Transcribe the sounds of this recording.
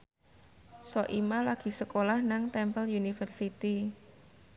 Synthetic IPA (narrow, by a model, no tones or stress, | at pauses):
sɔʔimalaɡ̥i̤səkolahnaŋt̪ɛmpəljunifərsit̪i